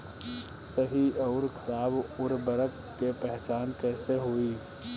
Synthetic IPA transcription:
səɦiʔɔʊɾkʰəɾaːbʊɾbəɾək | kepɛɦt͡ʃaːnkɛːseɦoːiː

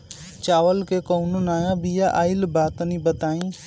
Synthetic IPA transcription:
t͡ʃaːʋəlkeːkoːnʊnaːjãbijaʔaːɪlbaːt̪ənĩːbət̪aːĩː

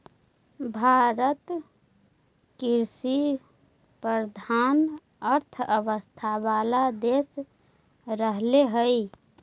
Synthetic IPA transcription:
bʱaɾət̪ | kiɾsi | pɾəd̪ʱaːn | əɾt̪ʰəʋəst̪ʰaʋalad̪es | ɾəɦleɦəi

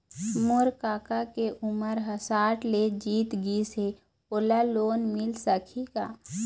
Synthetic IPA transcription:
moɾkaːkakeʔʊməɾɦəsaːʈled͡ʒiːt̪ɡise | oːlaloːnmɪlsəkʰikaː

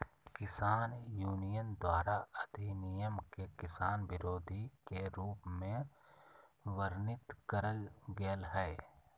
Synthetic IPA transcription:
kɪsaːnjuːnɪjənd̪waːɾaəd̪inɪjəmkekɪsaːnʋɪɾoːd̪ʱikeɾuːpmẽ | ʋəɾnɪt̪kəɾəlɡeːlɦɛː

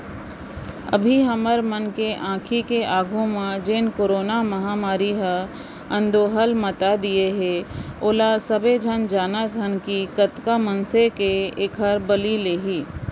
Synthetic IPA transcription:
ɐ̰bʱiɦɐməɾmənkeʔãːkʰikeʔaːɡʱõmãd͡ʒeːnkoːɾoːnamɐɦaːmaːɾiɦə | ɐ̃nd̪oːɦəlmət̪ad̪ieɦeoːlasəbed͡ʒʱənd͡ʒaːnat̪ənkikət̪kamə̃nsekeekʰɦəɾbəlileːɦiː

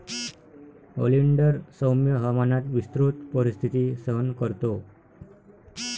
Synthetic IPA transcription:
o̰liɳɖəɾsəwmjəɦəmanat̪ʋist̪ɾut̪̚pəɾist̪ʰit̪isəɦənkəɾt̪o

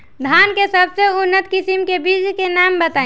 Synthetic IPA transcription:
d̪ʱaːnkesəbseʊnːət̪kɪsimkebiːd͡ʒkenaːmbət̪ãː

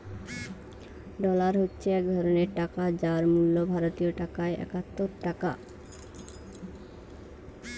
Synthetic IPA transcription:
ɖɔlaɾɦotːɕʰeɛk̚d̪ʱɔɾoneɾʈakad͡ʑaɾmulːobʱaɾot̪ijoʈakaeʔɛ̰kat̪ːoɾʈaka̰

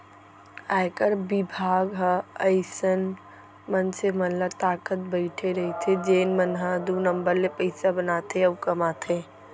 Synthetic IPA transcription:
aːjkəɾbɪbʱaːɡɦəəɪsən | mənsemənlət̪aːkət̪̚bəɪʈʰeɾəɦit̪ʰed͡ʒeːnmənɦəd̪unəmbəɾlepəɪsabənat̪ʰeəkəmat̪ʰe

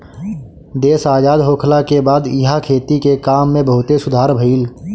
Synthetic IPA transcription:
d̪eːsaːd͡ʒaːd̪ɦoːkʰlakebaːd̪ɪɦakʰeːt̪ikekaːmːẽbəɦʊt̪esʊd̪ʱaːɾbʱiːl

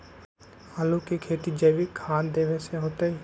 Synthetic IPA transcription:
aːlukekʰeːt̪id͡ʒeːʋikʰaːnd̪eːʋeseɦoːt̪ei

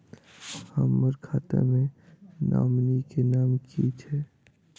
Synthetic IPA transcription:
həmːəɾkʰaːt̪ḛmẽna̰ːmnikenaːmkʰit͡ʃʰɛ

